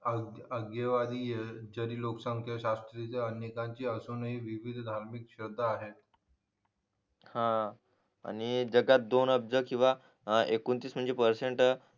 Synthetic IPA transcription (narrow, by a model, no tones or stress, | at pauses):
əɡjəʋad̪ʱijed͡ʑəɾiːloksəŋkʰjəɕast̪ɾit͡seənjekãɲt͡ɕiːəsonəɦiʋiʋid̪ʱd̪ʱaɾmikɕəd̪ʱːaɦet̪̚ | hã | a̰ñid͡zəɡat̪̚d̪onəb̚d͡zəkĩw̃ʋa | ekunt̪iːsm̤əɳd͡zepəɾseɳʈ